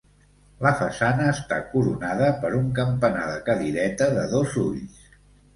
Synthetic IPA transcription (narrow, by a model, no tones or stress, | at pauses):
ləfəsanəːst̪a̰kuɾunaðəpəɾuŋkəmpənaðəkəðiɾɛt̪əðəðozuʎs